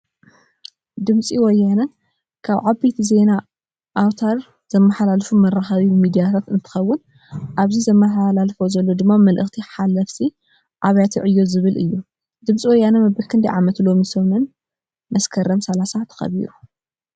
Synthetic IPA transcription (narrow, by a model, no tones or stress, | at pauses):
d̪ɨmt͡sʼiwɔjːana | kʰaβʕabet̪ʰize̞na | ʔawt̪ʰaɾ | z̥ɐmːɐħalalfumɐrːaxɐβumid̪ijat̪ʰat̪ɨnt̪ʰɨ̥xɐwːʊn | ʔaβzizɐmːɐħalalfozɐlːo̞d̪ɨmːamɐlʔɨxt̪ʰiħalːɐfsi | ʔaβajat̪ʰiʕɨjːozɨβɨlʔɨjːu | d̪ɨmt͡sʼiwɔjːanamɐbɐlkʰɨnd̪ɐjʕamɐt̪lo̞misomɨn | mɐskʰɐɾɐmsɐlasat̪ʰɐ̥xɐ̰βḭɾu